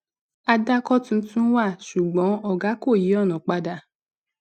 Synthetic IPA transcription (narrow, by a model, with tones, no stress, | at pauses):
a˧da˦kɔ˦tũ˧n̩˦tũ˦wa˦˨ʃu˨ɡ͡bɔ̃˨˦ɔ˦ɡa˨˦ko˦˨ji˨˦ɔ˦˨nɔ̃˨k͡pa˧da˧˨